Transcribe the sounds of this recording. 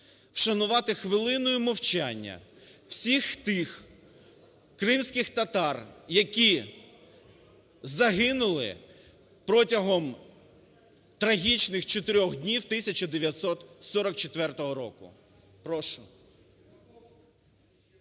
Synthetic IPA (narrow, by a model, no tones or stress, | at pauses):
wʃɐnʊʋɑt̪ɪxʋɪlˠɪnɔjʊmɔwt͡ʃanʲːɐ̰ | wsʲixt̪ɪx | kɾɪmsʲkɪxt̪ɐt̪ɑrjɐkʲi | zɐɦɪnʊlˠɪ̰ | pɾɔtʲɐɦɔm | t̪ɾɐɦʲit͡ʃnɪxt͡ʃɔt̪ɪɾʲɔxd̪ʲnʲiwt̪ɪsʲɐt͡ʃɐd̪eʋʲjɐt̪sɔt̪sɔɾɔk̚t͡ʃet̪ʋɛrt̪ɔɦɔɾɔkʊ̰ | pɾɔʃʊ